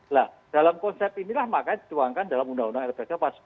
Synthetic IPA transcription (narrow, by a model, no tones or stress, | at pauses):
lah | d̥alamkɔnsɛp̚t̪inilahmakajdi̥t̪uaŋkandalamundaundaŋɛrbekapas